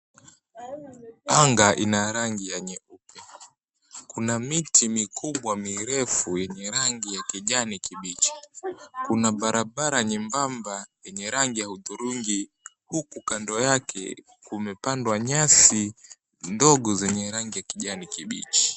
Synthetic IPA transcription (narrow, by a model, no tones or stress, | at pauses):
aŋɡaʔḭnaɾaŋɡijaɲɛupɛ | kunamitʰimikuɓwamiɾɛfujɛɲɛɾaŋɡijakiʄanikiɓit͡ʃi̥kunaɓaɾaɓaɾaɲimbambajɛɲɛɾaŋɡijahuðuɾuŋɡi | hukukandɔjakʰɛ̰ | kumɛpandwaɲasi | ndɔɠɔzɛɲɛɾaŋɡijakiʄanikiɓḭt͡ʃi̥